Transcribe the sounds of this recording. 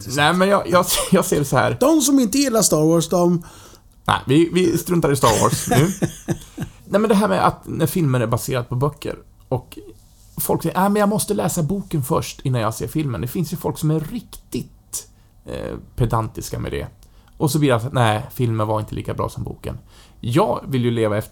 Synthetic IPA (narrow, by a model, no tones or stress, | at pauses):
næɪmɛnjɑːjʔɑːsjɑːɡseːɾsɔhæ̰ːɾd̪ɔmsɔmɪnt̪əjɪlːast̪ɑːɾwoːʂd̪ɔm | næ̰ɪvɪvɪst̪ɾɵnt̪aɾɪst̪ɑːɾwo̰ːsnʉ̟ː | næɪmɛnd̪ɛɦæːɾmɛʔa̰t̪næɾfɪlmənæɾbaseːɾad̪̚pʰɔbœkʰːə̰ɾ | ɔk | fɔlksɛjənæɪmɛnjɑːɡmɔst̪əlɛːsabuːkənfœʂʈɪnːanjɑsḛːɾfɪlmə̰nd̪ɛfɪnsjɵfɔlksɔmæɾɪkt̪ɪt̪ː | pʰɛd̪ant̪ɪskamɛ̰d̪ɛ̰ | ʔɔs̬ɔbliːjasat̪næɪfɪlməɾvaɾɪnt̪əliːkabɾɑ̰ːsɔmbṵːkə̰n | jɑːɡvɪljɵleːvaɛft̪